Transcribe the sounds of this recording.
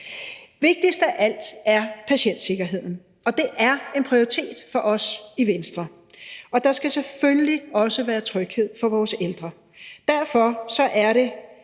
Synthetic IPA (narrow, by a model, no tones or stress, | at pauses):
ʋe̝ɡ̥̚d̥isd̥æʔæl̰d̥æɐpʰæɕen̰d̥se̝ɡ̥ɐɦe̝ð̞̰ˠn̩ | ɒ̽d̥e̝ʔæɐe̝npʰʁioʁit͡sʰe̝̰ːd̥fɒ̽ʔɒ̽siʋensd̥ʁɐ | ɒ̽d̥ɑ̈sɡ̥æseføljliɒ̽səʋæːɐt͡sʰʁœɡ̥he̝ð̰ˠfɒ̽ʋɒːseld̥ʁɐ | d̥æɐ̰fɒsɒ̽ʔæɐɾe̝